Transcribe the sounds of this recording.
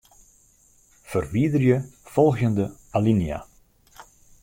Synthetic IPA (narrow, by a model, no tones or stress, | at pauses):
fərʋiədərjəfɔlˠɣjəndəalinja̰